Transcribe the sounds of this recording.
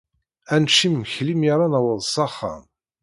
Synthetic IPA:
ænʃimːçlimaɾˤanæwəðˤsˤɑχːa̰m

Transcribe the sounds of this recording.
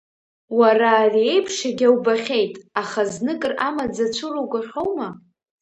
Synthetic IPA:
waraːrie̞jpʰʂaɡʲawbaχʲe̞jtʼaχaznɨkʼɨramad͡zat͡ʃʷʰɨrowɡʷʼaħʲʷᶣo̞wma

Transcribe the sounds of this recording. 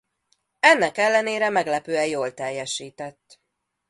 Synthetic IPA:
ɛnːɛkɛlːɛneːɾɛmɛɡlɛpøːɛjoːlt̪ɛjːɛʃiːt̪ɛt̪ː

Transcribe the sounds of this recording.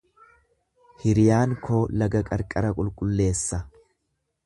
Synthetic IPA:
hɪɾɪjaːŋkʰoːlɐɡɐkʼɐɾkʼɐɾɐkʼʊlkʼʊlːe̞ːsːɐ

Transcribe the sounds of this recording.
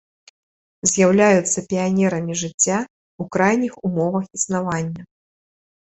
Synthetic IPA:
zʲjawlʲajut̪sːɐpʲianʲɛɾɐmʲiʐɨt͡sʲːa | ukɾajnʲixumɔvɐxisnavanʲːɐ

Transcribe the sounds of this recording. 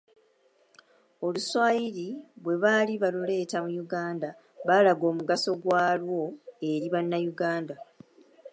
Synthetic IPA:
o̞luswaːjiɾiβwe̞βaliβalule̞ːtamujuɡaːnda | βalaɡo̞ːmuɡaso̞ɡwaːlwo̞e̞ɾiβanːajuɡaːnda

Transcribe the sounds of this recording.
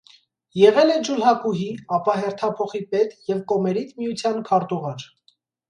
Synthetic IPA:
jɛʁɛlɛd͡ʒulɦɑkuɦiɑpɑɦɛɾt̪ʰɑpʰɔχipɛt̪jɛvkɔmɛɾit͡s̪ʰmijut͡sʰjɑnkʰɑɾt̪uʁɑɾ

